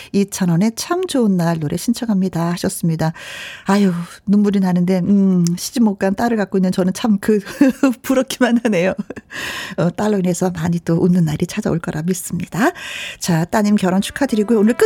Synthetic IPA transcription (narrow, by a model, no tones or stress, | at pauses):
it͡ɕʰʌnʌne̞t͡ɕʰamt͡ɕonːaɭːoɾe̞ɕʰint͡ɕʰʌŋɦamɲidahaɕʰʌs͈ɯmɲidaajonummuɾinanɯnde̞ɯɕʰid͡ʑimok̚k͈ant͈aɾɯɭɡak̚k͈oinːɯnt͡ɕʌnɯnt͡ɕʰamkɯpuɾʌk͈ʰimanɦane̞jo | ʌt͈aɭːoine̞sʰʌmaɲit͈oʔunːɯnːaɾʔit͡ɕʰad͡ʑa̰oɭk͈ʌɾʔamis͈ɯmɲid̥at͡ɕat͈aɲimkjʌɾʌnt͡ɕʰu̥kʰadɯɾiɡojoːnɯɭk͈ɯ